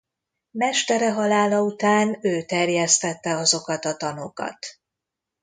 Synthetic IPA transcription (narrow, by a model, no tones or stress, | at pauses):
mɛʃt̪ɛɾɛɦɒlaːlɒut̪aːnøːt̪ɛrjɛst̪ɛt̪ːɛɒzo̞kɒt̪ɒt̪ɒnokɒ̰t̪